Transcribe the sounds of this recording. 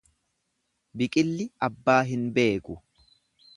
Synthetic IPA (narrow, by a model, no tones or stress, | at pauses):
bɪkʼɪlːɪɐbːaːɦɪnbe̞ːkʊ